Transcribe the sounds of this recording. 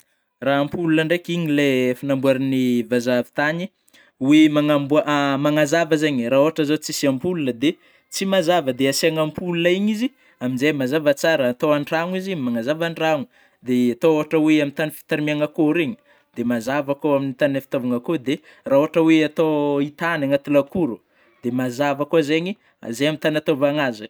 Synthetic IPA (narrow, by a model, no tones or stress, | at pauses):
raampulunəɳɖ͡ʐekiɲilefanambuaɾinivazavi̥t̪aɲi | wemaŋambuaʔmaŋazavazeɲraoɦaʈ͡ʂəzot͡sisiampulunəd̪e | t͡simazavəd̪easiaŋampulunaiɲizi | aminzemazavat͡saɾəːt̪oaɳraŋizimaŋazavaɳraŋu̥ | d̪eat̪ooɦaʈ͡ʂəweamint̪anifi̥t̪aɾimiaŋəkoɾeɲi̥ | d̪̥emazavakoaminit̪anəfi̥t̪ovaŋəkod̪e | raɦoɦaʈ͡ʂəweat̪oit̪anaŋat̪ulakuɾu̥ | d̪̥emazavakozeɲi | a̰zejamint̪anat̪ovaŋazə